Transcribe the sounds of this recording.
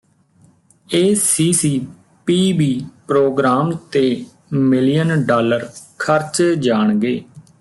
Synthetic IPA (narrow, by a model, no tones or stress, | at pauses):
eːsiːsiː | piːbiːpɾoːɡɾaːmt̪eː | mɪlijənɖaːləɾkʰəɾt͡ʃd͡ʒaːɳ̃ɡeː